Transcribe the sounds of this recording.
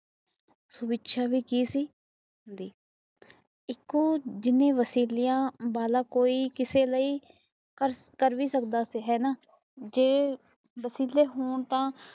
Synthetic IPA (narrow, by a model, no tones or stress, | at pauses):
sʊbɪtːʃʰaːʋiːkiːsiː | ɦɦʊnd̪iː | ɪkːõːd͡ʒɪnẽːʋəsiːlɪjãːbaːlaːkoːiːkɪseːləiː | kəɾ | kəɾʋiːsəkd̪aːsiːɦɛːnaː | d͡ʒeː | ʋəsiːleːɦoːɳt̪ãː